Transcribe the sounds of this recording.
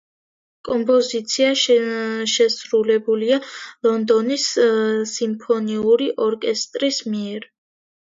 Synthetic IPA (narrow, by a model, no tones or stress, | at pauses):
kʼɔmpʰʼɔzit̪sʰiaʃʃɛsɾulɛbulialˠɔnd̪ɔnisː | impʰɔniuɾiʔɔɾkʼɛst̪ʼɾismiɛɾ